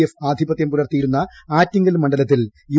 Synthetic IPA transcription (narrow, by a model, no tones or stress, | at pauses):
jefaːd̪ʱibɐt̪jɐmp̪uɽɐrt̪ːijiɾunːɐ | aːtːiŋɡɐlumːɐɳɖɐlɐt̪ːilju